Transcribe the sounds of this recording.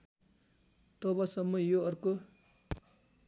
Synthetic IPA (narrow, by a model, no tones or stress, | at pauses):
t̪ʌbʌsʌmːʌjoʌrko